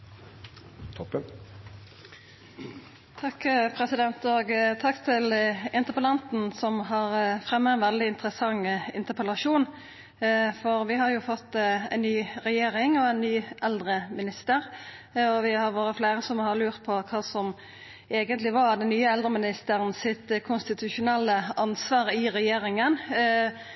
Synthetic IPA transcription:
t̪ʰɔpːə | t̪ʰɑkːpʰʁɛsɪd̪ɛnt̪ɔɡt̪ʰɑkːt̪ʰɪlɪnt̪əpəlɑnt̪n̩sɔmɦɑʁfʁɛmːɛɪnʋɛld̪ɪɪnt̪əʁəsɑŋɪ̰nt̪əpʰəlɑʃuːn | fɔʁʋɪɦɑɾjʊfɔt̪ːæɪnnːyːɾɛjeːɾɪŋɔɛnːyːʔɛld̪ɾəmɪnɪst̪əɾɔʋɪhɑɾʋoːɾəfleːɾəsɔmhɑlʉːʁt̪̚pʰɔkʰɑːsɔm | eːɡənt̪lɪʋɑd̪ɛnːyːəɛld̪ɾəmɪnɪst̪əʁənsɪt̪kʰʊnst̪ɪt̪ʰʉʂʊnɛlːəɑnsʋɑːʁɪɾɛjeːɾɪŋən

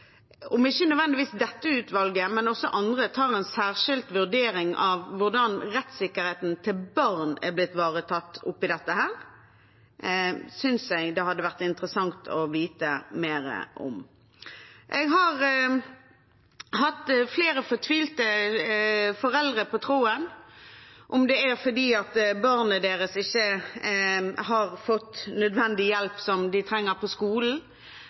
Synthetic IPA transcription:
ɔmɪçːənœd̪ʋɛnd̪ɪʋiːsd̪ɛt̪ːəʉːt̪ʋɑlɡəmɛnɔsːɔʔɑnd̪ʁət̪ʰɑːʁɛnsæːʁʃɪlt̪ʋʉʁd̪eːɾɪŋʔɑʋːʊɖ̪ɑnʁɛt̪sɪkːəɾheːt̪n̩t̪ʰɪlbɑʁnæ̰ʁblɪt̪ːʋɑːʁət̪ʰɑt̪ːʊpːɪd̪ɛt̪ːəhæːɾ | sʏnsɛɡd̪ɛɦɑd̪ːəʋæʁt̪ɪnt̪əʁəsɑŋt̪ʰɔʋiːt̪əmeːɾə̰ʔɔ̰m | ʔɛɡɦɑʁ | hɑt̪ːfleːɾəfɔʁt̪ʰʋiːlt̪ə | fɔɾɛld̪ʁəpʰɔt̪ʰʁuːən | ʔɔmd̪ɛæʁfɔd̪iːɑt̪bɑʁnəd̪eːɾəsɪçːə | hɑʁfɔt̪nœd̪ʋɛnd̪ɪjɛlpsɔmd̪ɪt̪ʰɾɛŋːəɾpʰɔskuːln̩

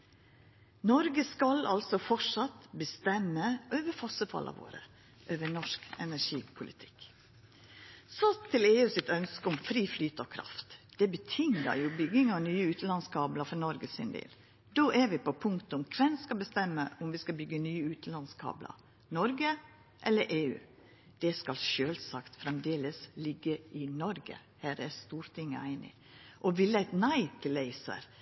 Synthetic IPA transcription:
nɔɾɡəskɑlʔɑ̰lsɔfɔʂɑt̪bəst̪ɛmːəøːʋəɾfɑsəfɑ̰lɑ̰ʋo̰ːɾə̰ | ʔøːʋənɔʂkɛnæʂiːpʰʊlʔɪt̪ʰɪ̥k | sɔt̪ʰɪleːʉːsɪt̪œnskəʊmfɾiːflyːt̪əɔkʰɾɑ̰ft̪d̪̥ɛbət̪ʰɪŋə̰jʊbʏɡɪŋɑnyːəʉːt̪əlɑnskʰɑːbləfɔnɔɾɡəsɪ̰nd̪ḛːl | d̪oːʔæɾʋɪpɔpʰʊŋkt̪əʊmkʰʋɛnskɑlbəst̪ɛmːəʔʊmʋɪskɑbʏɡənyːəʉːt̪əlɑnskʰɑ̰ːblə̰ɾ | nɔɾɡə | ʔɛlːəɾʔeːʉ̰ː | d̪̥ɛskɑlʃøːlsɑkt̪fɾɛmd̪eːləslɪɡːəɪnɔɾɡə̰ | hæːɾæst̪uːɾt̪ʰɪŋːə̰æɪnɪ̰ | ʔɔʋɪlːəæɪt̪næɪt̪ʰɪlæɪsə̰ɾ

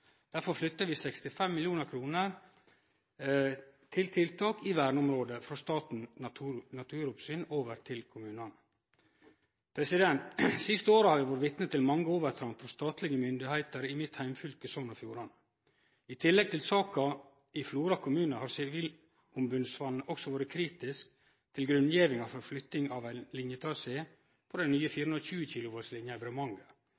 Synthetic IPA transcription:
d̪̥æɾfɔɾflʏt̪ːəʋɪːsɛkst̪ɪfɛmːɪljuːnəɾkʰɾuːnəɾ | t̪ʰɪlt̪ʰɪlt̪ʰɑːkɪʋæːɾɳʊmɾoːd̪əfɾɑst̪ɑːt̪n̩t̪ʰːnɑt̪ʰʉːɾʊpsyːnoːʋəɾt̪ʰɪlkʰʊmʉːnɑn | pʰɾɛsɪd̪ɛnt̪sɪst̪əoːɾəhɑɾʋɪʋɔɾʋɪt̪nət̪ʰɪlmɑŋːəoːʋəɾt̪ʰɾɑnfɾɔst̪ɑːt̪lɪɡəmʏnd̪ɪhæɪt̪əɾɪmɪt̪hæɪmfʏlkəsɔŋnɑfjuːɾɑn | ɪt̪ʰɪlːɛɡ̚t̪ʰɪlsɑːkɑ | ɪfluːɾɑkʰʊmʉːnəhɑɾsɛʋiːl | ʊmbʉnsʋɑnːəʔɔksɔʋoːɾəkʰɾiːt̪ɪsk | t̪ʰɪlɡɾʉnjeːʋɪŋɑfɔɾflʏt̪nɪŋɑʋæɪnlɪnjət̪ʰɾɑseː | pʰɔd̪ɛnnyːəfiːɾəʉnɾçʉːəçiːlʊʋoːɾslɪnjəɛʋɾəmɑŋɡə

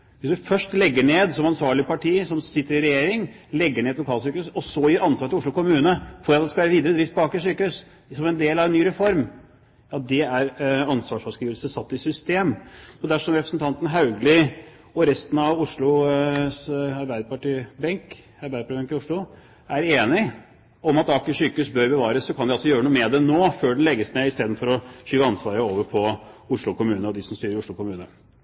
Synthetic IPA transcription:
ʋɪsd̪ʉfœʂʈlɛɡːəɳeːd̪sɔmɑnsʋɑːɭɪpɑʈʰiːsɔmsɪt̪ːəɾɪɾɛjeːɾɪŋlɛɡːəɳeːɛlʊkʰɑːlsyːkəʉːsɔsɔjiːɾɑnsʋɑɾʈ̪ʰɪlʊʂɭʊkʊmʉːnəfɔɾɑt̪̚d̪ɛskɑʋæːɾəʋiːd̪əɾəd̪ɾɪft̪pbɑːkɪsyːkəhʉs | sɔmɛnd̪eːlɑʋɛnːyːɾɛfɔɾm | ɑt̪̚d̪ɛæɾɑnsʋɑːʂfɑʂkɾiːʋəlsəsɑt̪ːɪsʏst̪eːmɔd̪æʂɔmɾɛpɾə̥snt̪ʰɑnt̪ən̩ɦɑʉɡlɪ | ɔɾɛst̪ənɑʋʊʂlʊsɑɾbæɪd̪əpɑʈiːbɛŋk | ɑɾbæɪəpɑiːbɛŋkɪʊʂɭʊ | æɾeːnɪ | ɔmɑt̪ɑkːəɕykəʉːsbøɾbəʋɑːɾəsːɔkʰɑnd̪ɪɑlsɔjøːɾənuːmɛd̪ɛnoːføːɖɛlɛɡːəsneːɪst̪eːd̪nfɔɾɔɕyːʋəɑnsʋɑːɾəoːʋəɾpʰɔʊʂɭʊkʊmʉːnəɔd̪ɪsɔmst̪yːɾəɾʊʂɭʊkʊmʉːnə

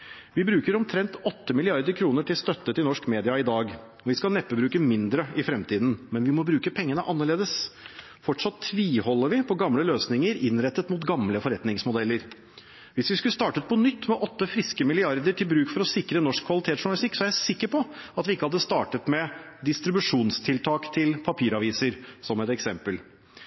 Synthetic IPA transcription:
ʋɪbɾʉːkəɾɔmt̪ʰɾɛnt̪ɔt̪ːəmɪlɪɑɾd̪əɾkʰɾuːnəʈʰɪlst̪œt̪ːət̪ɪlnɔʂkmeːd̪ɪɑɪd̪ɑːɡ | ɔʋɪskɑlnɛpːəbɾʉːkəmɪnd̪ɾəɪfɾɛmt̪ʰiːd̪n̩mɛnʋɪmɔbɾʉːkəpʰɛŋːənəʔɑnːəɭeːd̪əs | fɔʈʂɑt̪ʰːʋiːhɔlːəɾʋɪpʰɔɡɑmləløːsnɪŋəɾɪnːɾɛt̪ːət̪mut̪ɡɑmləfɔɾɛt̪nɪŋsmʊd̪ɛlːəɾ | ʋɪsʋɪskʉləst̪ɑːʈət̪̚pʰɔnʏt̪ːmɛʔɔt̪ːəfɾɪskəmɪlɪɑɾd̪əʈʰɪlbɾʉːkfɔɾɔsɪkɾənɔʂkʰːʋɑlɪt̪ʰeːt̪sʂʊɳɑlɪst̪ɪkːsɔæjæsɪkːəɾpʰɔɑt̪ʋɪɪkːəhɑd̪ːəst̪ɑːʈət̪mɛ | d̪ɪst̪ɾɪbʉʂuːnst̪ʰɪlt̪ʰɑːkt̪ʰɪlpʰɑpʰiːɾɑʋiːsəɾsɔmɛt̪ɛksɛmpəl

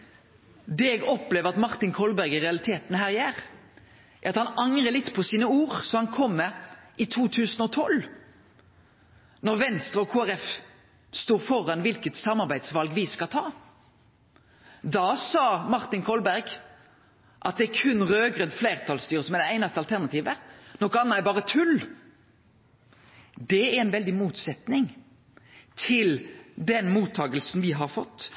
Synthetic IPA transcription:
d̪ɛɛːɡɔpleːʋəʁɑt̪mɑʁt̪ɪnkʰɔlbæʁɡɪʁɛɑlɪt̪ʰeːt̪n̩ɦæːʁɪæːʁ | æʁɑt̪hɑnɑŋʁəlɪt̪ːpʰɔsiːnəuːʁsɔhɑnkʰɔmːɛʔɪt̪ʰuːt̪ʰʉːsn̩ɔt̪ʰɔl | nɔʁʋɛnst̪ʁəɔkʰoːæʁɛf | st̪oːʁfɔʁɑnʋɪlkət̪sɑmɑʁbæɪd̪sʋɑlɡʋɪskɑlt̪ʰɑː | d̪ɑsɑːmɑʁt̪ɪnkʰɔlbæɾɡ | ʔɑt̪̚d̪ɛæɾkʰʉnʁøːɡʁœnd̪fleɪʁt̪ʰɑlst̪yːɾəsɔmɛd̪ɛæɪnɑst̪əɑlt̪ʰæʁnɑt̪ʰiːʋənɔkəɑnːɑæɾbɑːʁət̪ʰʉl | d̪ɛæɾɛɪnʋɛld̪ɪmuːt̪sɛt̪nɪŋ | t̪ʰɪld̪ɛnmuːt̪ʰːɑːɡəlsn̩ʋɪɦɑɾfɔt̪ː

